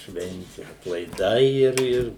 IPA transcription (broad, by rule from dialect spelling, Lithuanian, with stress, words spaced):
ˈʃʲʋʲɛnʲtʲɪ ɐtlˠɐɪˈdɐɪ ˈɪr ˈɪr